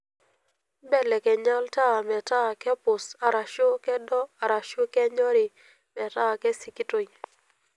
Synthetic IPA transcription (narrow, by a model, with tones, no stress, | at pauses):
bɛ˦lɛ˨kɛ˨ɲa˦lta˦˨mɛ˨ta˦˨kɛ˦pʊ˨sa˨ɾa˨ʃo˦kɛ˦dɔ˦a˨ɾa˨ʃo˦kɛ˦ɲɔ˦ɾi˨ | mɛ˨ta˦˨kɛ˦si˨ki˦to˨ɲ